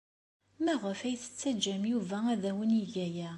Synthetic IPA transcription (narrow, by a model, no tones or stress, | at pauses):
mæʁəfæjθə̥t͡sːæd͡ʒːæmjuvææðæwəniʝæjæ